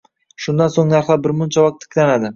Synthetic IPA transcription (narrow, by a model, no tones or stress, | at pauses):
ʃʊnd̪ansoŋnaɾχlˠaɾbɪɾmʊnt͡ʃʰawɒk̚t̪ʰːɪ̥kʲʰlanad̪ɪ